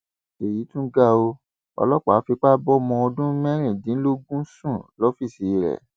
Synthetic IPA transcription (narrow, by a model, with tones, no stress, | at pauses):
e˨ji˨˦tũ˦ɡa˦o˧ | ɔ̰˧lɔ˦k͡pa˨˦fi˧k͡pa˦bɔ˦mɔ̃˧o˧dũ˦mɛ̃˦ɾ̃ĩ˦˨dĩ˨˦lo˦ɡũ˦sũ˦˨lɔ˨˦fi˦˨si˨˧˨ɾɛ̰˨